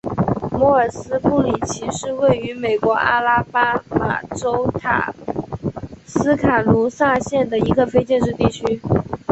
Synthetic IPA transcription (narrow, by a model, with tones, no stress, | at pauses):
mɔ˧˥ə˞˨˩sɹ̩˥pʰu˥˩li˨˩t͡ɕʰi˧˥ʂɻ̩˥˧we˥˩ɪy˧˥me˨˩ɪkwɔ˧˥ʔa̰˥la˥pa˥ma̰˨˩ʈ͡ʂo˥ʊt̪ʰa̰˨˩ | sɹ̩˥kʰa˨˩lu˧˥sa˥˧ɕjɛ˥˩nd̪ə˩i˧˥ɡə˧fe˥ɪt͡ɕjɛ˥˧nʈ͡ʂɻ̩˥˧t̪i˥˩t͡ɕʰy˥